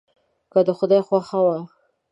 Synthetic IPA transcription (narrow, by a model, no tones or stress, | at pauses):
kad̪əxʊd̪ɑjxwaxawa